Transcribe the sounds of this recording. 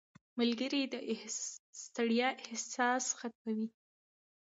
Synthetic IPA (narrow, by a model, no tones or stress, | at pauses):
malɡəɾid̪əʔɪhst̪aɽjaʔɪhsɑsxat̪̚mawi